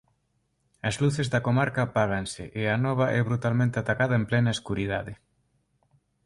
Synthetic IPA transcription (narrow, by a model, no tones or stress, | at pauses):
ɐzluθezðɐkomaɾkɐpaɣansɪʔeanɔβ̞ɐʔɛβɾut̪almẽnt̪eat̪akaðɐemplɛnɐeskuɾiðaðɪ